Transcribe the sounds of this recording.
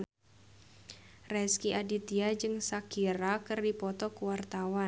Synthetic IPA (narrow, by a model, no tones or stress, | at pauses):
rɛskiʔadit̪iad͡ʒɨŋsakiɾakɨrdipɔt̪ɔkuwart̪awa